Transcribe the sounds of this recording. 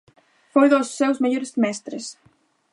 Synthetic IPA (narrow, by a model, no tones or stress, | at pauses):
fojðosːewzmeʎoɾɪsmɛst̪ɾes